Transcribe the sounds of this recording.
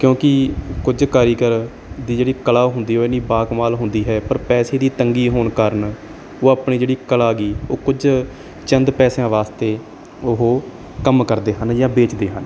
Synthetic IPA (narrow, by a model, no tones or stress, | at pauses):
kjõːkɪkʊd͡ʒkaːɾiːkəɾ | d̪iːd͡ʒeːɽiːkəlaːɦʊnd̪iːɦoːɪnĩːbaːkmaːlɦʊnd̪iːɦɛːpəɾpɛːseːd̪iːt̪əŋɡiːɦoːnkəɾn | oːaːpɳiːd͡ʒeːɽiːkəlaːɡiːoːkʊd͡ʒ | t͡ʃənd̪pɛːsjãːʋaːst̪eː | ʊɦoː | kəmkəɾd̪eːɦənjãːbeːt͡ʃd̪eːɦən